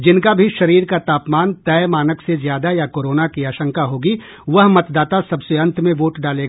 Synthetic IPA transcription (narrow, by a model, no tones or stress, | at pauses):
d͡ʒɪnkabʱiʃɐɾiːɾkat̪aːpmaːnt̪ɛːmaːnəksezjaːd̪ajakoːɾoːnakiaːʃə̃ŋkaɦoːɡi | ʋɐɦmɐt̪d̪aːt̪asɐbseə̃nt̪mẽʋoːʈɖaːleː